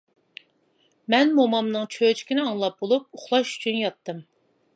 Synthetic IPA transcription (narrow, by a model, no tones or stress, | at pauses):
mɛnmomɑmnɨŋt͡ʃʰøt͡ʃʰi̥kʲinɪɑŋlˠɑp̚bolˠup̚uχlˠɑʃy̥t͡ʃʰynjɑt̪ʰːɨm